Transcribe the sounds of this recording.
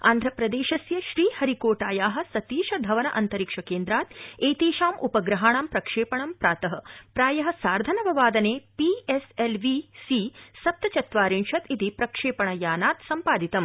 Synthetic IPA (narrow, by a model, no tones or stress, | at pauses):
a̰ːnd̪ʱɾɐpɾɐd̪eːʃɐsjɐʃɾiːhɐɾikoːʈaːjaːɦɐ̆sɐt̪iːʃɐd̪ʱɐʋɐnɐʔɐnt̪ɐɾikʂɐkeːnd̪ɾaːt̪eːt̪iːʃaːmupɐɡɾɐɦaːɳaːmpɾɐkʂeːpɐɳɐmpɾaːt̪ɐɦɐ̆pɾaːjɐɦɐ̆saːɾd̪ʱɐnɐʋɐʋaːd̪ɐneːpieselʋisisɐp̚t̪ɐt͡ʃɐt̪ʋaːɾiɳʃɐt̪it̪ipɾɐkʂeːpɐɳɐjaːnaːt̪sɐmpaːd̪it̪ɐm